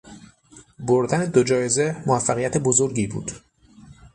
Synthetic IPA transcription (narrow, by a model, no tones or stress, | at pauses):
boɾd̪æne̞d̪od͡ʒɒːje̞ze̞moæfːæɣijæt̪ʰe̞bo̞zo̞ɾɟiːbṵːd̪̥